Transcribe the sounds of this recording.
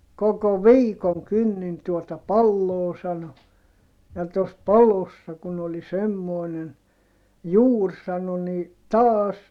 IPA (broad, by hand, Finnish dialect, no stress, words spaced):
koko ʋiːkoŋ kynːin tuotɑ pɑlːoː sɑno jɑ tos pɑlosːɑ kun oli semːoinen juːr sɑno ni tɑːs